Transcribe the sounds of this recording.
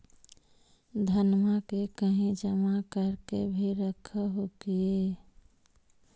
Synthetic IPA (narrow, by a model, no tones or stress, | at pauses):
d̪ʱənmakekəɦĩd͡ʒəmakəɾkebʱiɾəkʰəɦokie